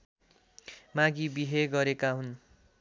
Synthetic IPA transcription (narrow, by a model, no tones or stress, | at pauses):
mãɡibiɦeɡʌɾekaɦun